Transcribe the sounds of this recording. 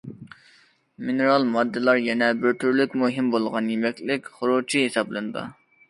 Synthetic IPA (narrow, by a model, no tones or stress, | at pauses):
minɨɾɑlˠmɑd̪ːɨlˠɑɾjɛnɛbɪɾt̪ʰyɾlykʲmuɦɪmbolˠʁɑnjemɛkʲlɪkʲχʊɾut͡ʃʰiɦesɑblˠɨnɨd̪ɨ̰